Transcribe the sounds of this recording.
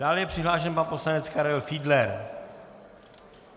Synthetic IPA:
daːljɛpr̝̥ɪɦlaːʃɛnpanpo̞slanɛt͡skaɾɛlfiːdlɛɾ

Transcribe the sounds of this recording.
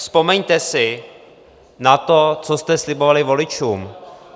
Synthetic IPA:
spo̞mɛɲt̪ɛsɪ | nat̪o̞t͡sost̪ɛslɪbovalɪvolɪt͡ʃuːm

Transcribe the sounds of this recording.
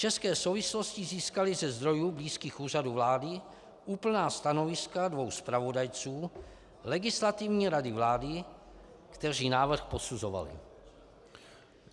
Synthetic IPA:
ft͡ʃɛskɛːsowvɪslo̞scɪziːskalɪzɛzd̪ɾo̞juːbliːskiːxuːraduvlaːdɪ | ʔuːpl̩naːst̪ano̞vɪskadvo̞wspɾavo̞dajt͡suː | lɛɡɪslat̪ɪvɲiːɾadɪvlaːdɪ | kt̪ɛr̝iːnaːvr̩xpo̞suzo̞va̰lɪ̰

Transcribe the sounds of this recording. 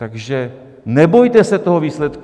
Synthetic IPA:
t̪aɡʒɛ | nɛbo̞jt̪ɛsɛt̪o̞ɦoviːslɛt̪k

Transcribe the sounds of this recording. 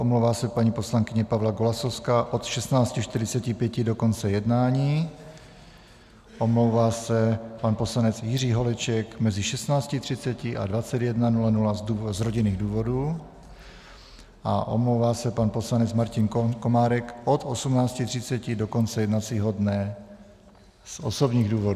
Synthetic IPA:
ʔomlowvaːsɛpaɲiːposlaŋkɪɲɛpavlaɡolasofskaʔo̞t̪ʃɛst̪naːt͡scɪʃt̪ɪɾɪt͡sɛcɪpjɛcɪdo̞ko̞nt͡sɛjɛdnaːɲiː | ʔo̞mlowvaːsɛpanpo̞slanɛt͡sjɪr̝iːɦo̞lɛt͡ʃɛkmɛzɪʃɛst̪naːt͡scɪt̪r̝̥ɪt̪t͡sɛcɪʔa̰dvat͡sɛd̪jɛdnanulanulauzɾoɟɪniːɣduːvo̞duː | ʔa̰ʔo̰mlowvaːsɛpanposlanɛt͡smaɾcɪnkomaːɾɛkʔot̪osumnaːt͡scɪt̪r̝̥ɪtt͡sɛcɪdoko̞nt͡sɛjɛdnat͡siːɦodnɛ | sʔosobɲiːɣduːvod

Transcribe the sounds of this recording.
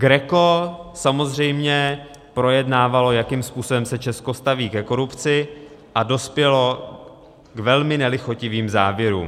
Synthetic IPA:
ɡɾɛko̞samo̞zr̝ɛjmɲɛ | pɾo̞jɛdnaːvalo̞jakiːmspuːso̞bɛmsɛt͡ʃɛsko̞st̪aviːkɛko̞ɾupt͡sɪ | ʔado̞spjɛlo̞ | kvɛlmɪnɛlɪxocɪviːmzaːvjɛɾṵːm

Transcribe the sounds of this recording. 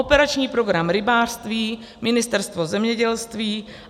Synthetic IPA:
opɛɾat͡ʃɲiːpɾo̞ɡɾamɾɪbaːr̥st̪viː | mɪnɪst̪ɛɾst̪vo̞zɛmɲɛɟɛlst̪viː

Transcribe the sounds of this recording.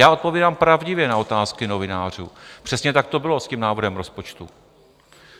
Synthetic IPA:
jaːo̞t̪̚po̞viːdampɾavɟɪvjɛnao̞t̪aːskɪno̞vɪnaːr̝ṵːpr̥ɛsɲɛt̪ak̚t̪o̞bɪlo̞scimnaːvr̩ɦɛmɾo̞spot͡ʃt̪ṵ

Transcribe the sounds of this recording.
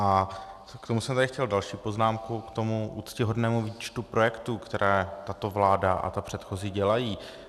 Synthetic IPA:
ʔa | kt̪o̞musɛmt̪aɾɪxcɛldalʃiːpo̞znaːmkukt̪o̞muʔuːt̪scɪɦo̞dnɛːmuviːt͡ʃt̪upɾo̞jɛkt̪uːkt̪ɛɾɛːt̪at̪o̞vlaːdaʔa̰t̪apr̝̥ɛt̪xozɪɟɛlajiː

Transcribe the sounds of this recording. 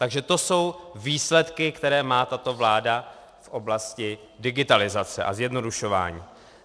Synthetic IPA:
t̪aɡʒɛt̪o̞so̞wviːslɛt̪kɪkt̪ɛɾɛːmaːt̪at̪o̞vlaːda | fʔo̞blascɪ | dɪɡɪt̪alɪzat͡sɛ̰ʔa̰zjɛdno̞duʃo̞va̰ːɲḭː

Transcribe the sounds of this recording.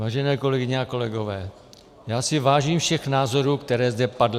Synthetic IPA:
vaːʒɛnɛːko̞lɛɡɪɲɛako̞lɛɡovɛː | jaːsɪvaːʒiːmfʃɛxnaːzo̞ɾuːkt̪ɛɾɛːzd̪ɛpadl

